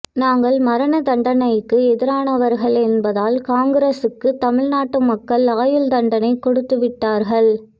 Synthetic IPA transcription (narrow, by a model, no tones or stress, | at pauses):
naːŋɡɐɭmɐɾɐnɐd̪ɐɳɖɐnɐɪkːɯɛðɪɾaːnɐʋɐɾɣɐɭɛnbɐðaːlkaːŋɡɪɾeːsɯkːɯt̪ɐmɪɻnaːʈːɯmɐkːɐɭaːjɯld̪ɐɳɖɐnɐɪkɔɽɯt̪ːɯʋɪʈːaːɾɣɐɭ